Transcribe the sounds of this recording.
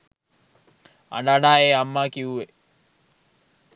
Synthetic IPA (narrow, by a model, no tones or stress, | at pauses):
a̰naːnaːeːamːaːkiue